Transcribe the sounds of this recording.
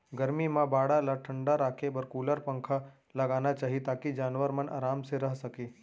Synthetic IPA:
ɡɐɾmimãbaːɽalaʈʰə̃ɳɖaɾaːkʰebɐɾkuːləɾpɐ̃ŋkʰa | lɐɡaːnat͡ʃaːɦiet̪aːkid͡ʒaːnʋəɾmɐna̰ːɾaːmseɾɐɦsɐkeː

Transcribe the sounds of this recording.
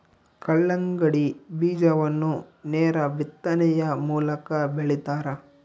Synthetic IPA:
kɐɭːɐŋɡɐɽibiːd͡ʒɐʋɐnːunɛːɾɐʋit̪ːɐnɛjɐmuːlɐkɐbeɭit̪aːɾɐ

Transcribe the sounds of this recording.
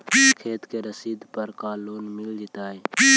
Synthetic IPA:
kʰeːt̪keɾəsiːd̪pəɾkaːloːnmɪld͡ʒɪt̪aːe

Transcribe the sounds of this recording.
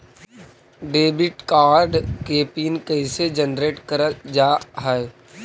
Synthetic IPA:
ɖeːbɪʈkaːɾɖkeːpiːnkɛɪsed͡ʒənɾeːʈkəɾəd͡ʒaːɦɛe

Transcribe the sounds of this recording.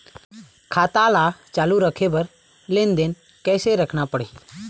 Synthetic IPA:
kʰaːt̪alat͡ʃaːluɾəkʰebəɾ | leːnd̪en | kɛːseɾəkʰnapəɽe

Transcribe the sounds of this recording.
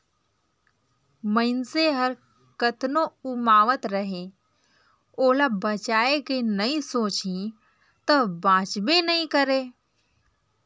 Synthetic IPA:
mə̃ɪnseɦəɾ | kət̪noʊmaːʋət̪ɾəɦẽ | oːlabət͡ʃaːekenɐĩsoːt͡ʃĩ | t̪ɐbãːt͡ʃbenɐɦĩkəɾeː

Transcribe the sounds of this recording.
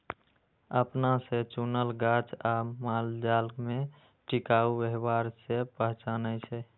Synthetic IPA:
əpnaset͡ʃunəlɡat͡ʃamald͡ʒalɡme | ʈikaubeɦbaɾsepəɦt͡ʃanət͡ʃʰɛ

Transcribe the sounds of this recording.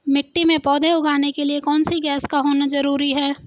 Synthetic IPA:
mɪkʈːimẽpɔːd̪ʱẽʊɡaːnekeliekɔːnsiɡɛːskaɦoːnazɐɾuːɾiɦɛː

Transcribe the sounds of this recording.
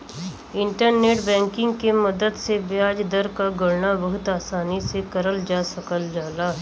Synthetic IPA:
ɪ̃ɳʈəɾneːʈbɛ̃ːŋkɪ̃ŋɡkemɐd̪əd̪sebjaːd͡ʒd̪əɾkaɡʊɽnabɐɦʊt̪aːsaːnisekɐɾəld͡ʒaːsɐkəld͡ʒaːlaː

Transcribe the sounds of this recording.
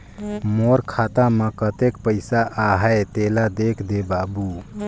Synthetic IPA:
moɾkʰat̪aməkət̪ekpəɪsaʔːɦəjt̪elad̪ekʰd̪ebabu

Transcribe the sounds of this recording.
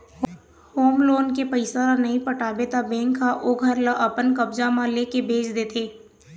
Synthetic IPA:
hoːmloːnkepəɪsaɾanɐɦĩpɐʈʰaːbet̪ʰabẽːŋkʰːaʔoɡʱɐɾlaʔɐpənkɐbd͡ʒamãleːkebʱeːt͡ʃd̪eːt̪ʰeː

